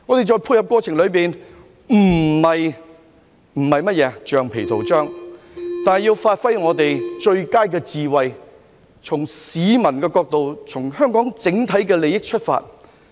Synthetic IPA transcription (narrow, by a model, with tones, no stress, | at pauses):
ŋɔ˨˧t̪e˨jt͡sɔː˧jpʰuː˧jhɐ˨p̚kɔː˧t͡sʰɪ˨˩ŋlɵ˨˧ɥpiː˨n | m̩˨˩mɐ˨j | m̩˨˩hɐ˨jmɐ˥t̚jɛː˨˧t͡ʃœː˨˧ŋpʰe˨˩jt̪ʰo˨˩wt͡ʃœː˥ŋ | t̪aː˨jiː˧wfaː˧t̚fɐ˥jŋɔː˨˧t̪e˨jt͡ʃɵ˧ɥkaː˥jkɛː˧t͡siː˨wɐ˨j | t͡sʰʊ˨˩ŋsiː˨˧mɐ˨˩nkɛː˧kɔː˧k̚t̪o˨wt͡sʰʊ˨˩ŋɦœː˥ŋkɔː˨˥ŋt͡sɪ˨˥ŋt̪ʰɐ˨˥jkɛː˧le˨jɪ˥k̚t͡ʃʰɵ˥t̚fa̰ː˧t̚